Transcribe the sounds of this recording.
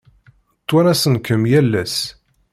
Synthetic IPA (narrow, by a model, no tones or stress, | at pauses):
t̪ːʊɾæsənkəmjælːæs